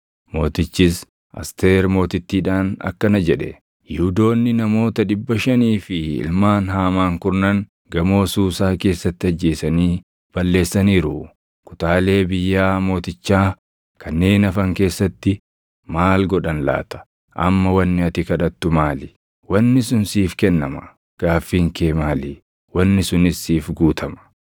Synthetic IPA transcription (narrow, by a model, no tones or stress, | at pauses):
mo̞ːt̪ɪt͡ʃːɪs | ʔɐ̰st̪eːɾmo̞ːt̪ɪt̪ːiːᶑaːnɐ̰kːɐnɐd͡ʒɛᶑɛ̰ | jɪhʊd̪o̞ːnːɪnɐmo̞ːt̪ɐᶑɪbːɐʃɐniːfɪɪ̰lmaːnɦaːmaːŋkʊɾnɐŋ | ɡɐmo̞ːsuːsaːke̞ːsːɐt̪ːɪɐd͡ʒːe̞ːsɐniː | b̥ɐlːe̞ːsːɐniːɾʊ | kʊ̥t̪aːle̞ːbɪjːaːmo̞ːt̪ɪt͡ʃːaː | kʰɐnːe̞ːnɐfɐŋke̞ːsːɐt̪ːɪ | maːlɡɔᶑɐnla̰ːt̪ɐ̥ | ʔɐ̰mːɐwɐnːɪɐt̪ɪkɐᶑɐt̪ːʊmaːlɪ | wɐnːɪsʊnsiːfkɛnːɐmɐ̥̰ | ɡ̥aːfːiːŋkeːmaːli | wɐnːɪsʊnɪsːiːfɡuːt̪ʰɐmɐ̥